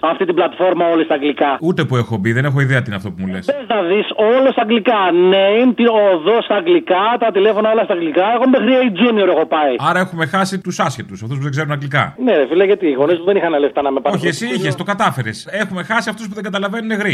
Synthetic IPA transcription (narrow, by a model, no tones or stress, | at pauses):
ɐft̪it̪iblɐt̪fo̞ɾmɐo̞list̪ɐɡlikɐut̪e̞puexo̞biðe̞ne̞xo̞iðeɐt̪inɐft̪opumulḛseznɐðiso̞lost̪ɐŋɡlikɐneint̪ioðost̪ɐːŋɡlikɐt̪ɐt̪ile̞fo̞nɐolɐst̪ɐɡlikɐexommexɾieid͡zunioɾexo̞pɐiɐɾɐe̞xume̞xɐsit̪usɐsçet̪usɐft̪us̬puðe̞ɡze̞ɾunɐɡlikɐ̰nefilɐʝɐt̪iːɣo̞nispuðenixɐneleft̪ɐnɐmepɐoçesiiçest̪o̞kɐt̪ɐfe̞ɾese̞xumexɐsiɐft̪usp̬uðeŋɡɐt̪ɐlɐve̞nuneɣɾi